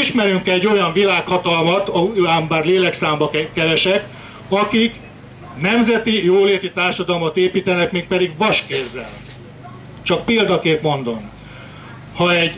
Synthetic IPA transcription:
iʃmɛɾyŋkɛɛɟːo̞jɒɱvilaːkhɒt̪ɒlmɒt̪ɒuaːmbaːrleːlɛksaːmbɒkːɛɾɛʃɛk | ɒkik | nɛmzɛt̪ijoːleːt̪it̪aːrʃɒd̪ɒlomot̪eːpiːt̪ɛnɛkmeːk̚pɛd̪iɡʋɒʃkeːzːɛ̰l | t͡ʃɒk̚peːld̪ɒkeːpmo̞nd̪o̞m | hɒɛɟ

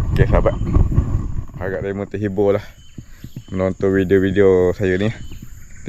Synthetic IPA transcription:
kɛsabaʔ | haɡaʔt̪amut̪əʔɦibolah | mənount̪uʔwidiowidiosajunit̪

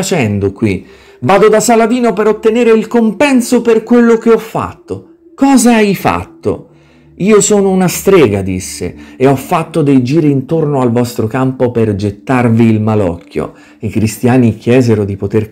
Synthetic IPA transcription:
at͡ʃɛnd̪okwi | vaːd̪od̪asalad̪iːnopeɾot̪ːeneːɾeilkompɛnsoperkwelːok̟eɔfːa̰t̪ːo | kɔːzaajfa̰t̪ːo̰ | iːosɔːnounast̪ɾɛːɡad̪isːḛeɔfːat̪ːod̪ejd͡ʒiːɾiːnt̪ornoalvɔst̪ɾokampoperd͡ʒet̪ːarviːlmalɔ̰kʰːjo̰ | ikɾist̪jaːnik̟jɛːzeɾod̪ipot̪er

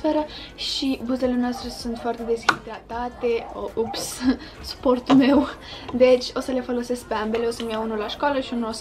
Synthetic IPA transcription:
fe̞ɾə | ʃibuze̞le̞noast̪ɾe̞sunt̪foart̪e̞d̪esid̪ɾat̪at̪e̞oʔups | su̥po̞rt̪ume̞wd̪e̞t͡ʃʲo̞səle̞fo̞lo̞se̞sk̚peambe̞leo̞səmjaunulaʃkaləʃiunuos

